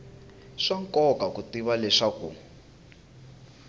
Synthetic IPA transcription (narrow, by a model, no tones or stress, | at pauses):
ʂaŋkɔkakutiβalɛʂakṵ